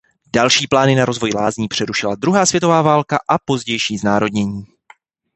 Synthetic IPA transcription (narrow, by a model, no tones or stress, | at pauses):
d̥alʃiːplaːnɪnaɾo̞zvo̞jlaːzɲiːpr̥ɛɾuʃɪlad̪ɾuɦaːsvjɛt̪ovaːvaːlkaʔapo̞zɟɛjʃiːznaːɾo̞dɲɛɲiː